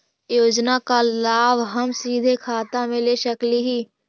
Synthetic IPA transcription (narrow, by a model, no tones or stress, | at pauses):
joːd͡ʒnakalaːʋɦəmsiːd̪ʱekʰaːt̪amẽleʃəkliɦiː